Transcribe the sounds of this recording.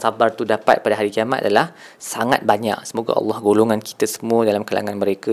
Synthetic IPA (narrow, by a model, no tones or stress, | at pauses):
sabart̪udapa̰t̪̚padaɦaɾikiamat̪adalah | saŋa̰t̪̚baɲa̰ʔsəmoɡa̰ʔɑ̰lːɑhɡoloŋanki̥t̪əsə̥mũədalamkala̰ŋanməɾekə